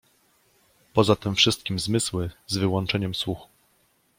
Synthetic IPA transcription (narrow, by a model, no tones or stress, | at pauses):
pɔzat̪ɘmfʂɘst̪̚kʲimzmɘswɘzvɘwɔnt͡ʂɛɲɛmswux